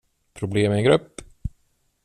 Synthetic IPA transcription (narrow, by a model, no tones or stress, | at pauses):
pʰɾʊbleːmɛɛnɡɾɵpː